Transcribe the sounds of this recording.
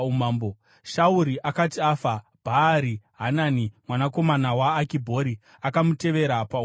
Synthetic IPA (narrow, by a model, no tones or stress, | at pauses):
umaːmbo | ʃauɾiʔakatiafa | bʱaɾiɦanaːnimwanako̞manawaːkibʱo̞ɾi | akamute̞ʋe̞ɾapau